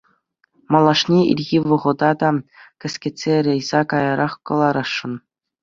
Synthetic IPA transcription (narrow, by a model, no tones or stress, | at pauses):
mɑlˠɑʂnʲeḭlʲɣʲiʋɤ̆ʁɤ̆d̪ɑd̪ɑkʲɘ̆sʲkʲĕtʲsʲeɾʲɘ̆jzɑkɑjɑɾɑχkɤ̆lˠɑɾɑʂːɤ̆n